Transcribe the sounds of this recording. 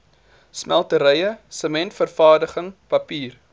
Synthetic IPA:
smælˠtəɾəjəsəmɛntfərfɑːrdəχəŋpɐpiːr

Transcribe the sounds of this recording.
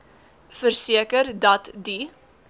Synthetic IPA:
fərsiəkərdɐtdi

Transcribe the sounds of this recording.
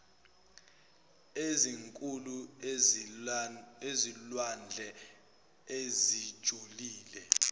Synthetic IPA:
eziŋkʼulu | ezilwand͡ɮʱɛ | ezid̥ʒ̥ʱuliːlɛ

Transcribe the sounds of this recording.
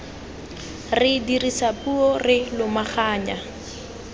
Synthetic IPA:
rɪdirisapuɔrɪlʊmaχaːɲa

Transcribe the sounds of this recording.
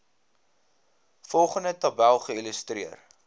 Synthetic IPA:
fɔlˠχəndətɐbælˠχəiləstriər

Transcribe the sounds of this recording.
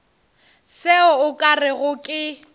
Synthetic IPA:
sɪʊʊkʼarɪɣʊkʼɪ

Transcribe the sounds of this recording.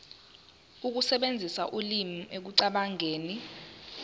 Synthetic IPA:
uk̬usɛɓend͡zʱisaʔulim̩ek̬uǀaɓaŋeːni

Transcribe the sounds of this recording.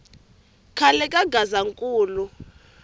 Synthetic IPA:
kʰalɛkʼaɡazaŋkʼuːlu

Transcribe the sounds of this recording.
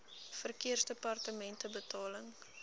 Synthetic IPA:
fərkiərsdepɐrtəmɛntəbətɑːləŋ

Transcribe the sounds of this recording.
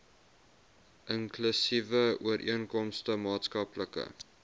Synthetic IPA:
ʔəŋklysivəuəɾʔḭənkɔmstəmɑːtskɐpləkə̰

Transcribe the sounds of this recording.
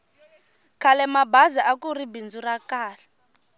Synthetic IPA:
kʰalɛmabaziʔakuribind͡zurakaːlɛ

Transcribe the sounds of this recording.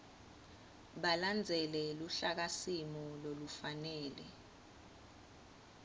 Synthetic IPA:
ɓaland͡zʱɛlɛluɬak̬asimɔlolufanɛːlɛ

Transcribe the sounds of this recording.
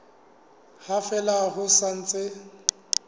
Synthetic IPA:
hafɛlaɦʊsan̩t͡sʼɪ

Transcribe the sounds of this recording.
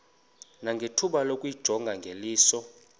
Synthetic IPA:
naŋɡʱetʰuɓalokʼwid̥ʒ̥ʱɔŋɡʱaŋɡʱeliːsɔ

